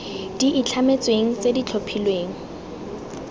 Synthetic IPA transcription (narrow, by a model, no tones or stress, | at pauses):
d̥iʔːt͡ɬʰamet͡sweŋ̩t͡sedit͡ɬʰopʰilweːŋ̩